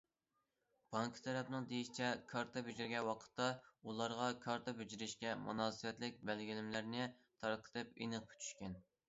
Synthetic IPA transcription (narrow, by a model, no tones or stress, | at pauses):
b̥ɑŋkʰt̪ʰɛɾɛpnɨŋd̪ejiʃit͡ʃʰɛkʰɑɾt̪ʰɑbyd͡ʒiɾɡʲɛwɑqʰə̥t̪ːɑulˠɑɾʁɑkʰɑɾt̪ʰɑbyd͡ʒiɾɪʃkʲɛmṵnɑːsɨwɛt̪lɪk̚ʲbɛlɡʲilɪmlæɾnɪt̪ʰɑɾqʰə̥t̪ʰɨpḛnɨq̚pʰt͡ʃʰy̥ʃkʲɛn